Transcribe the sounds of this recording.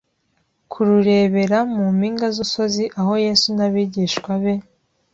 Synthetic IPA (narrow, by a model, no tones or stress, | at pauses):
kʰuɾuɾe̞ːβe̞ɾamumiːŋɡazuso̞ziʔaɦo̞je̞ːsunaβiːɟiːʃkwaβe̞